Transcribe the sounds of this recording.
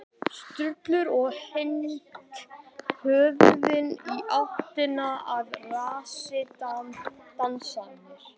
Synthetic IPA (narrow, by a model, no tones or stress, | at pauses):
st̪ɾʏt̪lʏɾɔɣhɪnt̪hœːvðɪniʔaht̪ɪnaaðraːsɪt̪ant̪ansanɪɾ̥